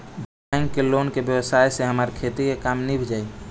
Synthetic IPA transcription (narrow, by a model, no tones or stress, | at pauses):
b | aŋkːelonkebjəwsajseɦəmaɾkʰet̪ikekamnibʱid͡ʒaːi